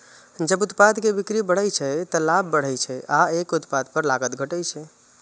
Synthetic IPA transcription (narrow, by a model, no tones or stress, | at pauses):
d͡ʒəbut̪pad̪kebikɾibəɽəjt͡ʃʰɛt̪əlabːəɽ̤əjt͡ʃʰɛʔaekut̪pad̪pəɾlaɡət̪ɡʱəʈəjt͡ʃʰɛ